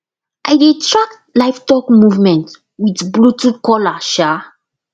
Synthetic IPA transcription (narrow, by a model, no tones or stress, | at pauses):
ʔaɪdetʰɹak̚tlaɪftɔkmuvmɛ̃nt | widblutukɔlaʃa